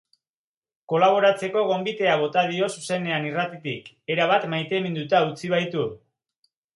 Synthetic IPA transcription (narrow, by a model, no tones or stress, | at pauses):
ko̞laβ̞o̞ɾat͡se̞ko̞ɣ̞o̞mbit̪e̞aβ̞o̞t̪að̞io̞suse̞ne̞anirat̪it̪ik | e̞ɾaβat̪majt̪e̞mend̪ut̪aut͡siβ̞ajt̪u